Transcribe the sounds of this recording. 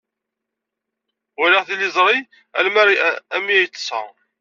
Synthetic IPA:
ʊɾəʁθilːɪzˤɾˤi | æ̰lmæɾæmiæjt͡sːə̥sæ̰

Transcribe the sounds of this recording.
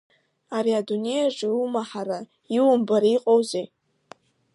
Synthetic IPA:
aɾiadune̞jaʐʼɨumaħaɾa | iwʊmbaɾaiqʼowze

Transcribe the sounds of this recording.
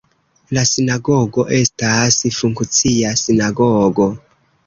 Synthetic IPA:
lasinaɡoɡo̞ʔe̞stasfuŋkt͡siasinaɡoɡo̞

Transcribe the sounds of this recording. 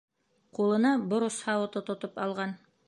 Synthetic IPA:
qulˠɤ̆nɑbŏɾoshɑwɤt̪ot̪ŏt̪opɑlˠʁɑn

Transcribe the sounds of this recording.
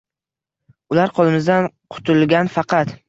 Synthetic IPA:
ʊlaɾqʰɒlˠɪmɪzd̪anqʰʊ̥t̪ʰʊlˠɡʲanfɑqɑt̪

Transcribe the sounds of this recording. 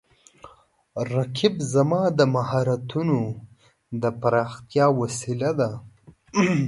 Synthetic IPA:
ɾakʰibzamɑd̪əmaɦɑɾat̪uno | d̪əpaɾɑxt̪jɑwasilad̪a

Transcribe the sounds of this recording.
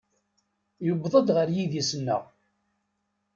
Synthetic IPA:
jʊbðˤəd̪ʁəɾjiðjisənːə̰ʁ

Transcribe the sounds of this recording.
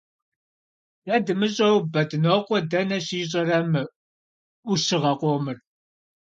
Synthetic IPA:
jadɨmɨɕʼɐwbɐdɨnoːqʷɔdɐnɐɕiːɕ̬ʼɐrɐmɨ | ʊʃɪʁɐqʷoːmɨr

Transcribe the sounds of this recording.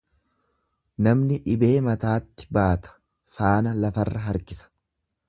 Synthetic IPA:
nɐmnɪᶑɪbe̞ːmɐt̪aːt̪ːɪ̥baːt̪ɐ̥ | faːnɐlɐfɐrːɐɦɐɾkɪsɐ̥

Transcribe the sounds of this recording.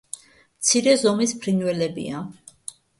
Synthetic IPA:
mt̪sʰiɾɛzɔmispʰɾinwɛlɛbḭa

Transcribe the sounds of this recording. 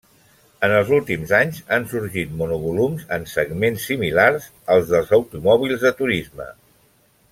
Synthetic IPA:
ənəlˠzulˠt̪imzaɲzansuɾʒit̪̚munuβulumzə̰nsəɡmensːimilaɾz | əlˠzðəlˠzəwt̪umɔβ̞ilˠzðət̪uɾizmə̰

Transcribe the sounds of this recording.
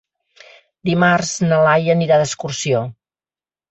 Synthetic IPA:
d̪imarznəlajəniɾaðəskursio

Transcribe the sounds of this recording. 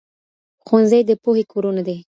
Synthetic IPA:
xonzəjd̪əpohekʰoɾunad̪e

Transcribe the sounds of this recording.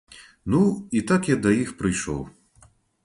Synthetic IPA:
nuit̪akjad̪ɐjixpɾɨjʂɔ̰w

